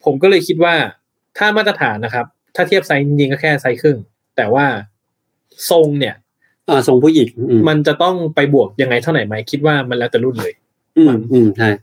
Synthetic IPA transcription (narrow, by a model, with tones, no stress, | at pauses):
pʰo˨˩˦mkɔː˥˩lɤː˧jkʰi˦˥t̪̬̚waː˥˩ | t̪ʰaː˥˩maː˥˩t̪ɾa˧t̪ʰaː˩˦nːa˦˥kʰa˦˥p̚t̪ʰaː˥˩t̪ʰi˥˩p̚sa˦˥jt͡ɕi˧ŋt͡ɕi˧ŋkɔː˥˩kʰɛː˥˩sa˦˥jkʰɯ˥˩ŋ | t̪ɛː˨˩waː˥˩ | so˧ŋni˥˩ɐ | ʔaː˧˩so˧ŋpʰuː˥˩ji˨˩ŋː˧˩ma˧nt͡ɕa˨˩t̪ɔ˥˩ŋpa˧jbu˨˩ək̚ja˧ŋːa˧jt̪ʰa˥˩wna˩˦jma˦˥jkʰi˦˥t̪̚waː˥˩ma˧nlɛː˦˥wt͡ɕa˨˩lu˥˩nlɤː˧j | ʔɯː˧˩nʔɯː˧˩mt͡ɕʰa˥˩j